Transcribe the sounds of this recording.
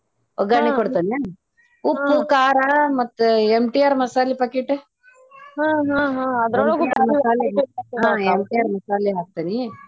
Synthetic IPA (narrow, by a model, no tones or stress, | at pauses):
oɡaɳikɐɽt̪ɐnia | upːukaːɾamɐt̪ːemʈiaɾmɐsaːlipɐkeʈe | ɦãɦãɦãɐd̪oomɐsaleɦɦãemʈiaːɾmɐsaːliɦaːk̚t̪ɐni